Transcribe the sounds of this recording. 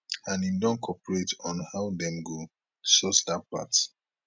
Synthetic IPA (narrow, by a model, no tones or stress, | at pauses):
ãnidɔ̃nkʰɔpəɹetɔ̃nhawdɛ̃mɡo | sɔstapa̰t